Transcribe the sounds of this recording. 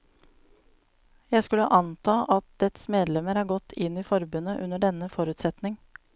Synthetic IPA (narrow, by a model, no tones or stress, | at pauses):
jæɪskʉləʔɑnt̪ʰɑːʔɑt̪̚d̪ɛt̪smeːd̪lɛməɾɑːɾɡɔt̪ʰɪniːfɔɾbʉnəʔʉnəɖɛnəfɔɾʉːt̪sɛt̪nɪŋ